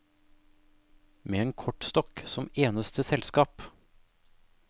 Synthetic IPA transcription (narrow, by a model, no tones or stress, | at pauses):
meːeːŋkʰɔʈst̪ɔksɔmeːnəst̪əsɛlskɑːp